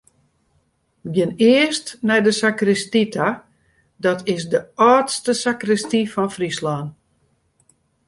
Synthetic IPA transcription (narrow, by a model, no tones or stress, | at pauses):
ɡɪnɪəstnɛjdəsakrɪstitʰa | dɔtʰɪsdəʔɔːtstəsakrɪstifɔnfrislaːn